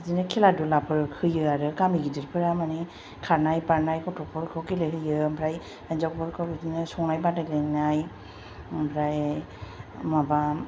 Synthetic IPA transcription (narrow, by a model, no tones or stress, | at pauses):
zinɯkʰɛladulapʰɯɾkʰɯjɯaɾɯkamiɡidiɾpʰɯɾamanɛ | kʰaɾnajpaɹnajkɔtʰɔpʰɔɾkʰɯwkilɯɦɯjɯmbʰɾaj | anzɔk̚bɔɾkʰɯɾɯzinɯsɔŋajbadaklɯnaj | mpʰɾaj | maba